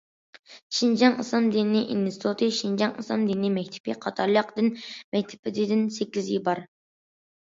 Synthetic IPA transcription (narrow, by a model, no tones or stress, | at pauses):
ʃind͡ʒɑŋɨslˠɑmd̪innɪʔḭnst̪ʰot̪ʰɨʃind͡ʒɑŋɨslˠɑmd̪inɪmɛk̚ʲt̪ʰɪ̥pɪqʰɑt̪ʰɑɾlˠəqd̪ɨnmɛk̚ʲt̪ʰɪ̥pʰɪd̪ɪd̪ɪnsɛkʲːizjibɑɾ